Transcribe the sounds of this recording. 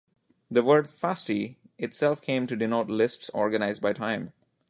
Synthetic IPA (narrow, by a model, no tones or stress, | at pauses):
d̪əʋəɹɖfæsʈi | ɪʈsɛlˠfkʰẽɪ̃mʈuɖɪnoʈlɪsʈsɔɹɡənaɪz̚baɪʈʰãɪ̃m